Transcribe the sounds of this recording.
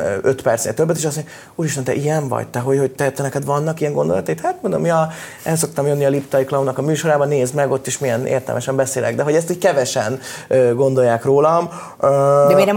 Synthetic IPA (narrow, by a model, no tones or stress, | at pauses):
øøt̪pɛrt̪snḛːlt̪øbːɛt̪eːʃɒs̬moɲe | uːɾiʃt̪ɛnt̪ɛ̰ʔijɛɱvɒ̰ɟt̪ɛɦo̞cho̞ct̪ɛt̪ɛnɛkɛd̪ʋvɒnːɒkijɛŋɡo̞nd̪olɒt̪ɒiːt̪hat̪mond̪omːiɒ | ɛls̬o̞kt̪ɒmjønːiɒlipt̪ɒjiklɒunɒkɒmyːʃo̞ɾaːbɒneːzmɛɡo̞t̪ːeʃmijɛnḛːrt̪ɛ̰lmɛʃɛmbɛseːlɛ̰ɡd̪ɛɦo̞ɟɛst̪iːckɛvɛʃɛnøɡo̞nd̪o̞jːaːkroːlɒm | ømeɾɛ